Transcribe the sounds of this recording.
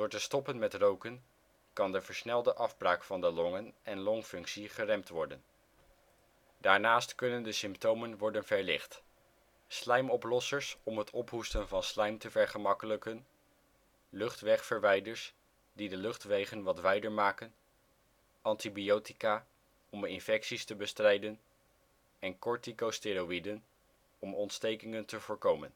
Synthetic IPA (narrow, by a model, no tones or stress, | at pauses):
d̥ʊːɹtəstɔpənmɛtrowkən | kɑndəvəɹsnɛlˠdəʔɑvbraːkfɑndəlɔŋənɛnlɔŋfɵŋksiχərɛmptʋɔɹdə̰n | daːɹnaːstkɵnəndəsɪmptowmənʋɔɹdənvɛɹlɪχt | slɛjmɔplɔsəɹsɔmɦətʰɔpɦustənvɑnslɛjmtəvɛɹχəmɑkələkən | lɵχtʋɛχfəɹʋɛjdəɹs | didəlɵχtʋejχənʋɑtʋɛjdəɹmaːkən | ɑntibijowtikaː | ɔmɪnfɛksistəbəstrɛjdən | ɛnkɔɹtikosteɾowidən | ɔmɔntstejkɪŋəntəvʊːɹkowmə̰n